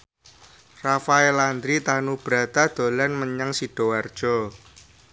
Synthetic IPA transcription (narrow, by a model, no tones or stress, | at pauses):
rafaeland̪ɾit̪anub̥ɾa̤t̪ad̪̥o̤lanməɲaŋsiɖ̥o̤ward̥ʒ̥ɔ